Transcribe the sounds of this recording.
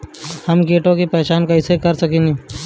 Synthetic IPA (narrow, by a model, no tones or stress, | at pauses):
hɐmɡeːʈõkipɛːt͡ʃaːnkaɪsekɐɾsɐkẽːŋɡe